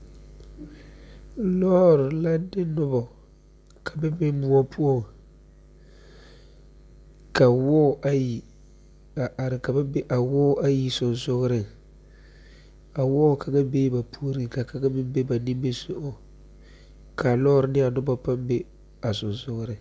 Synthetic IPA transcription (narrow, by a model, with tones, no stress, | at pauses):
lɔː˦ɾɪ˨la˦dɪ˦nʊ˦bɔ˨ | ka˨bɪ˦bɪ˦mʊ˦ɔ˦pʰu˦ɔ˦˨ | ka˨wɔː˦ʔa˦ji˨ | ɾɪ˨ka˨ba˦be˦ʔa˨wɔː˦a˦ji˨sʊ˨nsʊ˦ɣɾɪ˨ | a˨wɔː˦˨kʰa˨ɡa˦beː˦ba˨pu˦o˦ɾi˨ka˨ka˦ɡa˦mɪ˦mbe˦ba˨ni˦mbe˦sʊ˦ʔʊ˦ | kʰa˨lɔ˦ɾɪ˨nɪ˦a˨nʊ˦bɔ˦pa˦mbe˦ | a˨sʊ˨nsʊ˦ɣɾɪ˨